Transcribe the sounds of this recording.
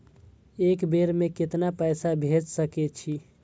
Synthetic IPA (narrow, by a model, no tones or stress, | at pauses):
eːkbeɾmẽkɪt̪napəjsabʱed͡ʒsəkɛt͡ʃʰi